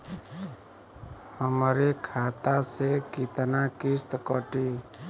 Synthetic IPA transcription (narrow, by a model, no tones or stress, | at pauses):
həmɾekʰat̪asekit̪nakist̪kəʈi